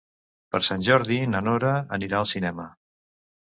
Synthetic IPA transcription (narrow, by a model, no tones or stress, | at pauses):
pəɾsanʲʒɔɾðinənoɾəəniɾaəlˠsinɛmə